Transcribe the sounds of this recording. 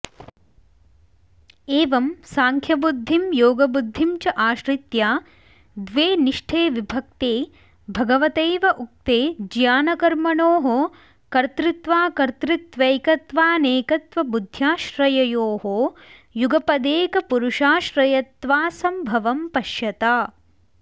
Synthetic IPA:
eːʋɐmsaːŋkʰjɐbud̪ʱːimjoːɡɐbud̪ʱːimt͡ʃɐʔaːʃɾit̪jaː | d̪ʋeːniʂʈʰeːʋibʱɐk̚t̪eː | bʱɐɡɐʋɐt̪eːʋɐʔuk̚t̪eːd͡ʒjaːnɐkɐɾmɐɳoːɦo | kɐɾt̪ɾit̪ʋaːkɐɾt̪ɾit̪ʋɐjkɐt̪ʋaːneːkɐt̪ʋɐbud̪ʱjaːʃɾɐjɐjoːɦo | juɡɐpɐd̪eːkɐpuɾuʂaːʃɾɐjɐt̪ʋaːsɐmbʱɐʋɐmpɐʃjɐt̪aː

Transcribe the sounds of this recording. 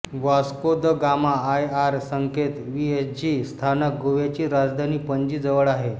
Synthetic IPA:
ʋaskod̪əɡamaːjaɾsəŋket̪ʋiesd͡ʑist̪ʰanək̚ɡoʋjat͡ɕiːɾad͡zd̪ʱaniːpəɲd͡ʑiːd͡zəʋəɭaɦe

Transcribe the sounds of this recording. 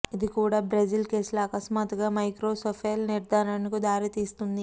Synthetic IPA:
id̪ikuːɽaːbɾɐd͡ʒilke̞ːsulaːkɐsmaːt̪uɡaːmɐjkɾoːsopʰelniɾd̪ʱaːɾaːnikud̪aːɾit̪iːst̪und̪i

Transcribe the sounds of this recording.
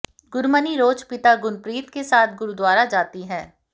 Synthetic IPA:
ɡʊɾməniɾoːt͡ʃpɪt̪aɡʊnpɾiːt̪kesaːt̪̚ʰɡʊɾud̪ʋaːɾad͡ʒaːt̪iɦɛ̃ː

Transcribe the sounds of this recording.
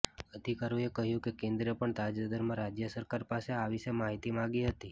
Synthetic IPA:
əd̪ʱikaɾjũekəɦjũkekẽnd̪ɾepəɳt̪ad͡ʒad̪əɾmãɾad͡ʒjəsəɾkaɾpaseaʋiʃemaɦit̪imãɡiɦət̪i

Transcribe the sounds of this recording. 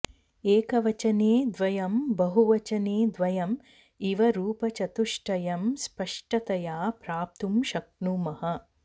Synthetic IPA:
eːkɐʋɐt͡ʃɐneːd̪ʋɐjɐmbɐɦuʋɐt͡ʃɐneːd̪ʋɐjɐm | iʋɐɾuːpɐt͡ʃɐt̪uʂʈɐjɐmspɐʂʈɐt̪ɐjaːpɾaːp̚t̪umʃɐk̚ɳumɐhɐ

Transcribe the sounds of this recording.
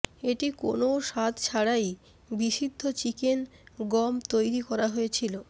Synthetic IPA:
eʈiko̰noʃat̪t͡ɕʰaɽaj | biʃid̪ʱːot͡ɕikenɡɔmt̪ojɾikɔɾaɦojet͡ɕʰilo

